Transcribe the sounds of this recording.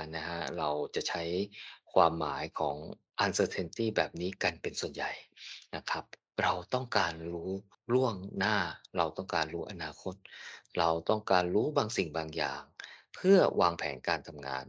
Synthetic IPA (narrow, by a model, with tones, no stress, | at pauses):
na˦˥kʰa˦˥ɾa˧wt͡ɕa˨˩t͡ɕʰa˦˥jkʰwaː˧mːa̰ː˩˦jkʰɔː˩˦ŋ | ʔa˧nsɤː˧t̪ʰe˧nt̪iː˥˩bɛː˨˩p̚niː˦˥ka˧npe˧nsu˨˩ənja˨˩jna˦˥kʰa˦˥p̚ | ɾa˧wt̪ɔ˥˩ŋkaː˧nɾuː˦˥ | ɾu˥˩əŋnaː˥˩ɾa˧wt̪ɔ˥˩ŋkaː˧nɾuː˦˥ʔa˧naː˧kʰo˦˥t̪̚ɾa˧wt̪ɔ˥˩ŋkaː˧nɾuː˦˥baː˧ŋsi˨˩ŋbaː˧ŋja̰ː˨˩ŋpʰɯ˥˩ɐwʔaː˧ŋpʰɛː˩˦nkaː˧nt̪ʰa˧mŋa̰ː˧n